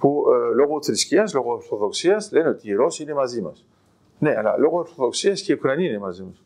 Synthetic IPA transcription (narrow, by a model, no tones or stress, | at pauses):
pulo̞ɣo̞θɾisciɐslo̞ɣooɾθo̞ðo̞ksiɐsle̞neo̞t̪iːɾo̞siine̞mɐzimɐ̰s | ne̞ɐ̰lɐ̰lo̞ɣooɾθo̞ðo̞ksiɐsceiukɾɐniiine̞mɐzimɐs